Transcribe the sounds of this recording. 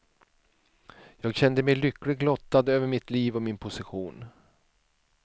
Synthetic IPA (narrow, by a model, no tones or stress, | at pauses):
jɑːɡɕɛnd̪əmɛjlʏkːlɪɡlɔt̪ːad̪øːvəɾmɪt̪liːvɔmɪnpʰʊsɪɧuːn